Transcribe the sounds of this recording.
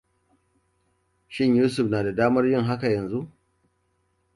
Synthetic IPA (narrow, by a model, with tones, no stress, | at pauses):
ʃɪ˦ɲjuː˦s̬ʊ˨ɸnaː˨da˨daː˦mɐ˦rjɪ˦ŋɦa˦ka˨jɐ˨nzu˦ʔ